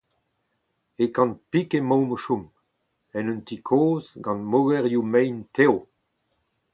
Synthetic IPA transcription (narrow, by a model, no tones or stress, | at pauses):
ekɑ̃npikemowməʃum | ɛnynt̪ikʰoːzɡɑ̃nmowɛʁjumɛjntew